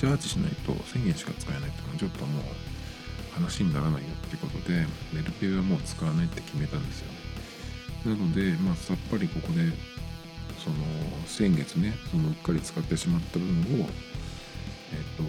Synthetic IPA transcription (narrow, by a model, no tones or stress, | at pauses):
t͡ɕaːt͡ɕiɕina̰ḭt̪o̞̰sẽ̞ŋɡẽ̞ɕi̥ka̰t͡sɨ̥kaenait̪ːonoːt͡ɕo̞t̪ːo̞mo̰ː | hanaɕiɲ̟inaɾanaijo̞t̪ːe̞iɯ̟ko̞t̪o̞d̪e̞me̞ɾɯ̟t̪e̞ːβamo̞ːt͡sɨ̥kaβanait̪ːe̞kʲime̞t̪ãnd̪e̞sɨjo̞ne | nano̞d̪e̞maːsapːaɾʲiko̞ko̞d̪e̞ | so̞no̞sẽ̞ŋɡe̞t͡sɨneso̞noɯkːaɾʲit͡sɨ̥kat̪ːe̞ɕimat̪ːabɯ̟̃ɰɯɰ̃o̞ | et̪ːo̞